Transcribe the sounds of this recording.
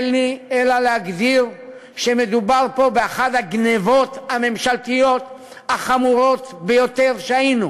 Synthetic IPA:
lnielalehaɡd̪iʁ | ʃeme̞d̪ubaʁpo̞beaχadhaɡnevo̞t̪hame̞mʃalt̪ijo̞t | haχamuʁo̞t̪be̞jo̞t̪e̞ʁʃeajinu

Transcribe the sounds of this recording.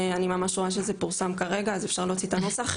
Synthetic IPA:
animamaʃʁoaʃ̬ezepuʁsamkaʁe̞ɡaːzefʃaʁlo̞ːt͡sit̪ano̞saχ

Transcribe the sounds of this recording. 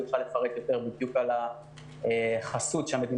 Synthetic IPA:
uχalefaʁekjo̞t̪e̞ʁbid̪jukala | eχasut̪ʃeame̞d̪in

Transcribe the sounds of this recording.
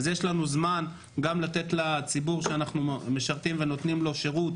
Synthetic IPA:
zjeʃlanuzman | ɡamlat̪e̞tlat͡sibuʁʃeanaχnumeʃaʁt̪imve̞no̞t̪nimlo̞ʃe̞ʁut

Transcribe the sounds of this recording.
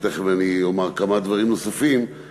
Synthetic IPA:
t̪eχveaniomaʁkamad̪vaʁimnosafim

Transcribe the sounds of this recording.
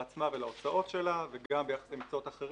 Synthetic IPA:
at͡smavelaot͡saʔo̞tʃe̞laveɡambejaχḁseimt͡soo̞taχeʁ

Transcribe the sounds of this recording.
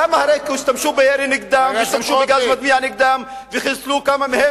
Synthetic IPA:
amahaɾekwɪst̪amʃuːbɪjeɾinɪɡd̪aːmɪjɪst̪amʃuːbɪɡaːzmad̪̚miːʕanɪɡ̚d̪aːm | vɪxɪlsluːkamamhɪ

